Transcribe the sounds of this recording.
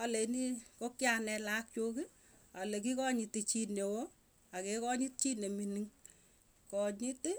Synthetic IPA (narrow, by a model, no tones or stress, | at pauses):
alenikokjanɛlak̚t͡ʃoki | alek̬ikɔɲitit͡ʃinewo | akekɔɲit̚t͡ʃineminiŋ | kɔɲit